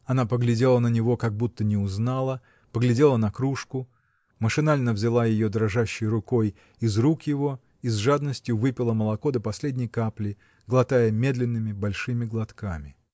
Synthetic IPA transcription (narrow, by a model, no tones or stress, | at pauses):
ɐnapəɡlʲɪdʲe̞lˠənənʲɪvo̞kɐɡ̚but̪ːənʲɪʊznalˠə | pəɡlʲɪdʲe̞lˠənɐkɾuʂkʊ | məʂɨnalʲnəvzʲɪlˠajɪjo̞d̪ɾɐʐaɕːɪjrʊko̞j | ɪzrukjɪvo̞ | izʐad̪nəsʲtʲjʊvɨpʲɪlˠəməlˠɐko̞d̪əpɐsʲlʲedʲnʲɪjkaplʲɪ | ɡlˠɐt̪ajəmʲe̞d̪lʲɪnːɨmʲɪbɐlʲʂɨmʲɪɡlˠɐt̪kamʲɪ